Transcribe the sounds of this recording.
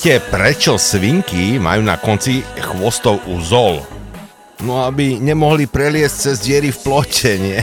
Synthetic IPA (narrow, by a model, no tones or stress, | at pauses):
t̪ɪɛpɾɛt͡ʃɔsʋiŋkima̰juːna̰kɔnt͡sixʋɔst̪ɔʊuzɔl | nɔabiɲɛmɔɦlipɾɛlɪɛsc̚t͡sɛzd͡ʑɪɛɾifplɔcɛɲɪɛ